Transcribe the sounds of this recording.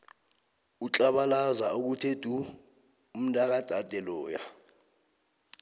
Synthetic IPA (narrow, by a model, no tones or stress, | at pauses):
ut͡ɬʼaɓalazauk̬utʰed̥ʱu | um̩ndʱʼak̬ad̥ʱad̥ʱɛlɔːja̰